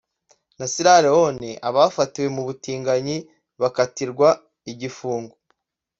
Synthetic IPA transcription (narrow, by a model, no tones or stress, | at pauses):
nasiɾaɾehoneʔaβaːfatiwe̞muβutiːŋɡaɲi | βakatiɾɡwa | iɟifuːŋɡo